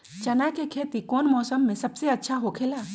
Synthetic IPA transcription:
t͡ʃɐnakekʰeːt̪ikɔːnmɔːsəmːẽsɐbseɐtːʃʰaɦokʰeːlaː

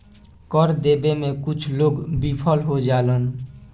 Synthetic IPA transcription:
kəɾd̪eːbemẽkʊt͡ʃʰloːɡbipʰəlɦod͡ʒaːlən

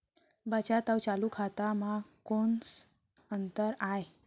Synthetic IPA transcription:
bət͡ɕat̪awt͡salukʰat̪amakoɳs | ənt̪əɾae

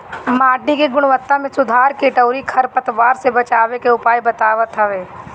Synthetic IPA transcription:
maːɖːikeɡʊɽ̃ʋət̪ːamẽsʊd̪ʱaːɾkiʈɐʊɾikʰɐɾpɐt̪ʋaːɾsebɐt͡ʃaːʋekeʊpaːjbɐt̪aːʋət̪ɦɐʋeː

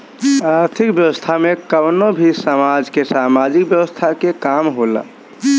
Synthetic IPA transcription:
əɾt̪ʰikbjəwəst̪ʰamekəbnobʱisəmad͡ʒkesamad͡ʒik̚bjəwəst̪ʰakekamɦola̰

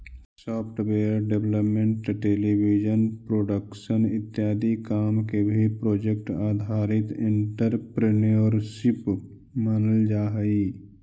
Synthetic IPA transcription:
sɔːpʰʈweːəɾɖeʋləpmẽɳʈʈeːlibʱid͡ʒənpɾoːɖəkʃənɪt̪ːjaːd̪ikaːmkebʱipɾoːd͡ʒek̚ʈaːd̪ʱaːɾɪt̪ɪ̃ɳʈəɾpɾenijoəɾsip | manəld͡ʒaːɦəi

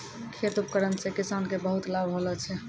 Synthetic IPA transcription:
kʰet̪up̚kəɾənsekisankebəɦut̪labʱɦolɛt͡ʃʰɛ

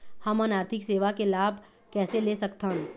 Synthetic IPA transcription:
hɐmə̃naːɾt̪ʰɪkseːʋakelaːbʱ | kɛːseleːsɐkt̪an

